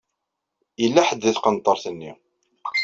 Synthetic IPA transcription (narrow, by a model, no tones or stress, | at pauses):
jəlːaħəd̪ːiθqənt̪ˤːəɾˤθənːi